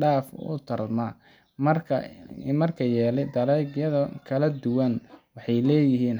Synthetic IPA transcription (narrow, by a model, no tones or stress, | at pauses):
ɖaːfʊ̰t̪ʰɐrmɐ | mɐrkʰɐ̰mɐrkʰɐjɛːlɛjd̪ɐlɛjɡjɐðɐkʰɐlɐd̪ʊwɐnwɑħɑjlɛːjɪɦiːn